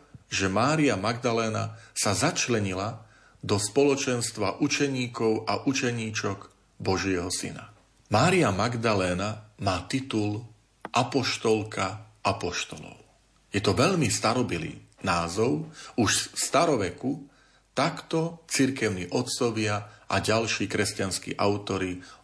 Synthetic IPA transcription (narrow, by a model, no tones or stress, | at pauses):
ʒɛmaːɾiamaɡd̪alɛːna̰sazat͡ʃlɛɲila | d̪ɔspɔlɔt͡ʃɛnst̪ʋaʔut͡ʃɛɲiːkɔʊʔaʔut͡ʃɛɲiːt͡ʃɔɡ | bɔʒɪɛɦɔsḭna̰ | maːɾiamaɡd̪alɛːnamaːt̪it̪ul | ʔapɔʃt̪ɔlkʰaapɔʃt̪ɔlɔ̰ʊ | jɛt̪ɔʋɛʎmist̪aɾɔbilḭːnaːzɔʊuʃfst̪aɾɔʋɛku | t̪akt̪ɔt͡siɾkɛʊniʔɔt̪t͡sɔʋɪaʔaɟalʃiːkɾɛscanskḭːʔaʊt̪ɔɾi